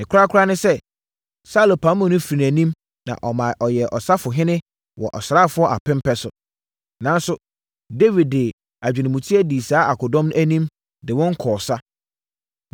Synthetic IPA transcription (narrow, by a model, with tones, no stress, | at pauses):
ɪ̃˨kʰɾa˦kʰʊ˦ɾa˦nɪ̃˦sɛ˦ | sa˦lo˨pʰa˨˦mʊ̃˨nʊ̃˦fi˨ɾĩ˨æ˨nĩ˦m | nã̰˨ʔɔ˨mã˨ʔɔ˨jɛ˨ʔɔ˨sa˦fʊ˨ɦɪ̃˦nɪ̃˦ | wɔ̰˨ʔɔ˨sɾa˦˨fʊ˦ɔ˦ʔa̰˨pɪ̃˦m˦pʰɛ˦sʊ˨ | nã˨˦n˦sʊ˨ | de˦vi˨d̚dɪ˨ | a˨d͡ʑᶣɪ˨nɪ̃˨mũ˨tʰi˦ɛ˦di˨saː˨˦a˨kʊ˨dɔ̃˦mñ˦æ˦nĩ˦m | dɪ˨wɔ̃˦ŋ˦kʰɔː˨sa˦